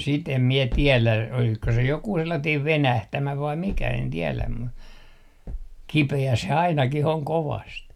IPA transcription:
sit em mie tielæ olisko se jokuː selːɑtiːm ʋenæhtæmæ ʋɑim mikæ en tielæm mu kipeæ se ɑinɑkih oŋ koʋɑst

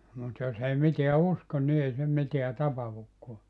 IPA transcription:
mut jos ei miteæ uskon ni ei se miteæ tɑpɑhukːoɑ

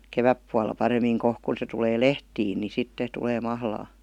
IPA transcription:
keʋæpːuɑlːɑ pɑremˑiːŋ kohk kun̞ se tuleː lehtiːn ni sitːe tuleː mɑhlɑː

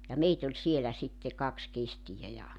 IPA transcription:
jɑ meit olʲ sielæ sitːe kɑks kestijæ jɑ

